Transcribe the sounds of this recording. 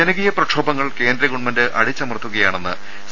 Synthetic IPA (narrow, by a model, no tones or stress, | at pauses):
enɐɣijɐprɐʈʂʰoːbɐŋːɐɭke̞ːndɾɐɣuɳmɐndɨʔɐ̰ɽit͡ɕːɐmɐrt̪ʰːuɣɐjaːɳenːɨ | s